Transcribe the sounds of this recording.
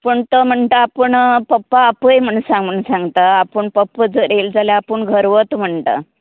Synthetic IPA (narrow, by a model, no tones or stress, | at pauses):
pəɳt̪əm̤əɳt̪əapəɳpəpːaːpəjm̤əɳsãŋɡəɳsãŋɡt̪aːpəɳpəpːəd͡zəɾeld͡zaljaːpəɳɡʱəɾʋət̪m̤əɳt̪ə̰